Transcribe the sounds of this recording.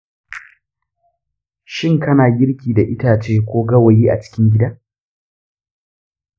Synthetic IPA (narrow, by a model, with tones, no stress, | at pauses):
ʃɪ˦˨ŋkɐ˦naː˨ɡʲɪ˦ɽkʲiː˨da˨ʔɪ˦taː˨t͡ʃeː˦kʷoː˦ɡɐ˦wa˨jiː˦ʔa̰˨t͡ʃɪ̥˦kʲɪ˦ŋɡʲɪ˦daː˦